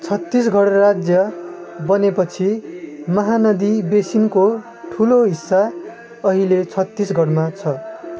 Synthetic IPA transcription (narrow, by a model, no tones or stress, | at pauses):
t͡sʰʌt̪ːis̬ɡʱʌɽrad͡zjʌbʌnepʌt͡sʰimʌɦanʌd̪ibesinko | ʈʰuloɦisːa | ʌɦilet͡sʰʌt̪ːisɡʱʌɽmat͡sʰʌ